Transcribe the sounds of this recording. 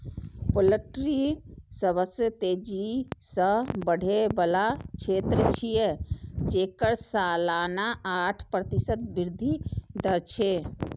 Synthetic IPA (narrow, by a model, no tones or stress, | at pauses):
poləʈɾisəbəsjət̪ed͡ʒisə̃bəɽ̤ʱebəlat͡ʃʰet̪ɾət͡ʃʰijed͡ʒekəɾsalanaaʈʰpɾət̪isət̪̚biɾd̪ʱid̪əɾt͡ʃʰe